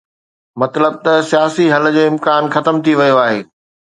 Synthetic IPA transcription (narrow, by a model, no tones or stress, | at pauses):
mɐt̪ləb̚t̪ɐsijaːsiɦɐld͡ʑeːɪ̃mkaːnxɐt̪əmt̪ʰiʋɐjoaːɦeː